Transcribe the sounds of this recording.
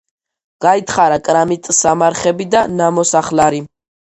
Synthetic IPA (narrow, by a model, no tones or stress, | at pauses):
ɡ̥ait̪ʰχaɾakʼɾamit̪ʼsamaɾχɛbid̪anamɔsaχlaɾi